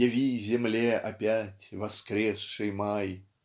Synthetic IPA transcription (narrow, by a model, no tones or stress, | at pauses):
avʲizʲɪmlʲɛʔapʲatʲvɐskɾʲɛsʂɨjmaj